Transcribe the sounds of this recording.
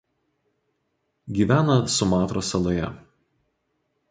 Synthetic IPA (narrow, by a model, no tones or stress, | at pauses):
ɡʲiːʋʲæːnɐsʊmɑːt̪ɾoːsɐlˠoːjɛ